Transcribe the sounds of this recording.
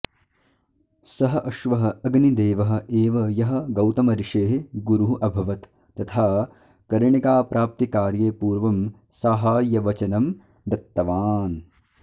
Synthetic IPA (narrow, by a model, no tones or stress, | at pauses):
sɐɦɐʔɐʃʋɐɦɐ̆ɐɡnid̪eːʋɐɦɐ̆eːʋɐjɐɦɐ̆ɡɐwt̪ɐmɐɾiʂeːɦɡuɾuɦuʔɐbʱɐʋɐt̪ː | ɐt̪ʰaː | kɐɾɐɳikaːpɾʔaːp̚t̪ikaːɾjeːpuːɾʋɐm | saːɦaːjɐʋɐt͡ʃɐnɐm | d̪ɐt̪ːɐʋaːn